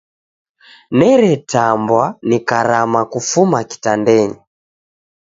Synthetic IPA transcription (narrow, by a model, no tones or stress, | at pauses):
nɛɾɛtambwanikaɾamakufumaki̥tandɛɲɛ